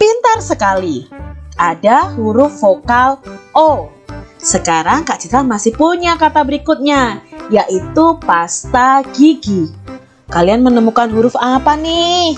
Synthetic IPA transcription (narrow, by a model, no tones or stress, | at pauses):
pint̪arsəkaliʔadaɦuɾʊfːokalʔo | səkaɾaŋkaʔt͡ʃit̪amasɪhpuɲakat̪abəɾikʊt̪̚ɲajaʔit̪upast̪aɡiɡi | kalianmənəmukanɦuɾʊfapanɪh